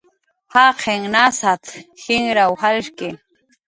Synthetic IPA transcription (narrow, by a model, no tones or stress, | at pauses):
haqʰeŋnasat̪xɪŋɾawhalʃkɪ